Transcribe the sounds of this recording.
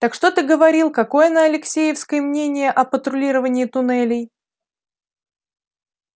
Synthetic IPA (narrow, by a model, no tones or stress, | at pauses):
t̪əkʂt̪o̞t̪ɨɡəvɐɾʲilˠkɐko̞jənəɐlʲɪksʲejɪfskəjəmnʲenʲɪjəʔɐpət̪ɾʊlʲiɾəvənʲɪːt̪ʊnɛlʲɪj